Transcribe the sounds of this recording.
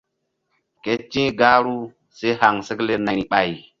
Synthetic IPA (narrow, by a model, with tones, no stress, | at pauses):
ke˦t͡ʃĩ˦ɡaː˦ɾu˦ | se˦ha˨ŋsə˦kle˦na˨ɾi˦ɓa˨j